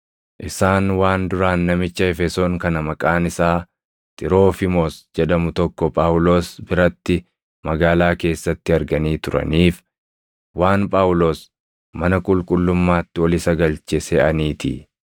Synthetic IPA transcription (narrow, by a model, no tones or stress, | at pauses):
ʔɪsaːnwaːnd̪ʊɾaːnːɐmɪt͡ʃːɐɛfɛso̞ːŋkɐnɐmɐkʼaːnɪsaː | t̪ʼɪɾo̞ːfɪmoːsd͡ʒɛᶑ̪ɐmʊt̪ɔkːɔpʼaːwʊlo̞ːsbɪɾɐt̪ːɪ | mɐɡaːlaːke̞ːsːɐt̪ːɪɐɾɡɐniːt̪ʊɾɐ̰niːf | waːnpʼaːʊlo̞ːs | mɐnɐkʼʊlkʼʊlːʊmːaːt̪ːɪwɔlɪsɐɡɐlt͡ʃɛsɛɐniːt̪ɪ̰